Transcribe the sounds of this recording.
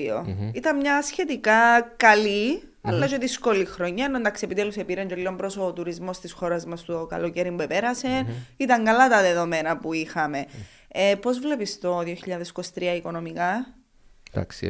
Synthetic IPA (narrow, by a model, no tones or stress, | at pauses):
io̰it̪ɐnmɲɐsçe̞t̪ikɐkɐli | ɐlːɐt͡ʃoðisko̞lixɾoɲːɐnːond̪ɐksie̞pit̪elusepiɾeɲɟelːiombɾoso̞t̪uɾizmo̞st̪isxo̞ɾɐzmɐst̪okɐ̰loceɾimbuepeɾɐse̞nit̪ɐŋɡɐlɐt̪ɐðe̞ðo̞me̞nɐpuixɐme̞ | epo̞zvle̞pist̪o̞ðioçiʎɐðeskost̪ɾiɐiko̞no̞mikɐ | d̪a̰ks